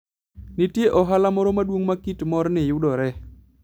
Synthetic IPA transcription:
nɪtjeʔɔɦalamɔɾɔmadwoŋmakitmɔrnɪjʊdɔɾɛ

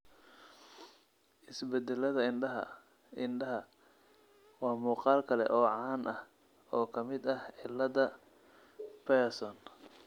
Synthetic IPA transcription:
ʔɪsbɛd̪ɛlɐðɐɪnɖɐɦɐ̰ | ɪnɖɐɦɐ | wɑːmuːqɑːlkʰɐlɛ̰ʔɔːʕɑːnʔɐh | ɔːkʰɐmɪd̪ɐhʕɪlːɐðɐ | pɛsɔn

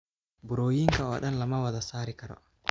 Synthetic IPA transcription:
bʊɾoːjiŋkɐwa̰ɗɐnlɐmɐwɐðɐsaːɾɪkɐɾɔ̰

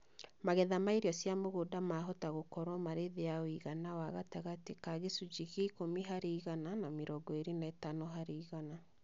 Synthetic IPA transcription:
maɣɛðamaiɾiɔsjamoɣodamaɦɔtaɣokɔɾwɔmaɾeðeaoiɣanawaɣataɣatekaɣesud͡ʒiɣeikomiɦaɾeiɣananameɾɔɡɔeɾenaːtanoɦaɾeːɣana

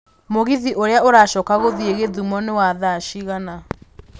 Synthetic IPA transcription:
moɣiðiʔoɾeaoɾaːʃɔːkaɣoðieɣeðumɔnewaðaʃiɣana

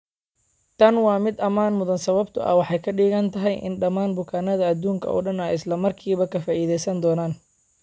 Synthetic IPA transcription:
t̪ʰɐnwɑːmɪd̪ɐmaːnmʊðɐnsɐβɐbt̪ʰʊ̰ʔɐ̰wɑħɑjkʰɐɖiːɣɐnt̪ʰɐɦɛjʔɪ̰nɖɐmaːnbʊkʰaːnɐðɐɐd̪uːŋkʰɐ̰ʔɔ̰ːɖɐnɐʔɪslɐmɐrkʰiːβɐkʰɐfaːʔiːðɛjsɐnd̪ɔːnaːn

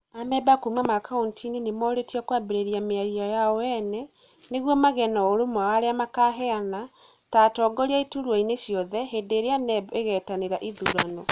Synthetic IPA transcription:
amɛbakumwamakauntʰinenemɔɾetiakwabeɾeɾjameaɾiɔjaɔwɛnɛ | neɣwɔmaɣɛnɔoɾomwawaɾeamakaɦɛana | taːtɔːɡɔɾiaituɾwɔineʃjɔðɛɦedeːɾeanɛeɣɛtaneɾaʔiðuɾanɔ

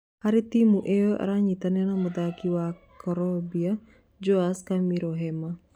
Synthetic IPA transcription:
haɾit̪imuʔeoʔa̰ɾaɲit̪anenamud̪akiwakɔɾɔbia | d͡ʒoaskamiɾoɦɛma

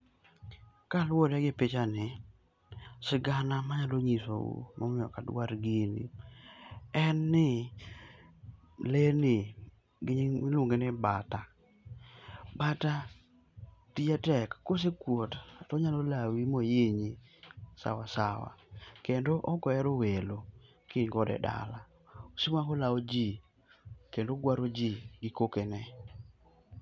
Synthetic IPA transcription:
kalwodɛɡɪpet͡ʃanɪ | sɪɡanamaɲaloɲiso̰ṵmɔmɪɔ̰kadwaɾɡinḭ | ɛnːɪ | lenɪ | ɡɪɲimɪluŋɡenɪbata | bata | tiatɛkːos̬ekwotatɔɲalolawimojeɲisa̰wasawa̰kendoʔɔkɔɛɾowelo | kɪŋɡɔdɛ̰da̰la | osimwakolaod͡ʒi | kendoɡwaɾod͡ʒiɡɪkokenɛ

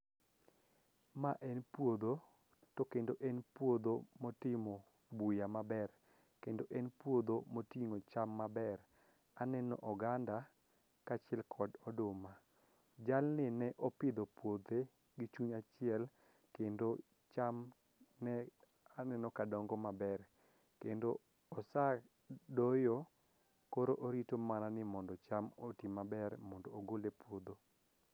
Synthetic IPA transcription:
maʔɛnpwod̪o | tɔkendoʔɛnpwod̪omɔtɪmɔ | bujamabɛr | kendoʔɛnpwod̪omotiŋot͡ʃamːabɛr | anɛnɔ̰ʔɔɡanda | kat͡ʃɪɛlkʰɔdɔdʊma | d͡ʒalnɪnɛʔɔpɪd̪opwod̪e | ɡɪt͡ʃuɲat͡ʃɪɛl | kendo | t͡ʃam | nɛ | anɛnɔkadɔŋɡɔmabɛr | kendoː | sa | dojo | koɾoʔoɾitomananɪmɔndɔt͡ʃamotimabɛrmɔndɔːɡolepwod̪o

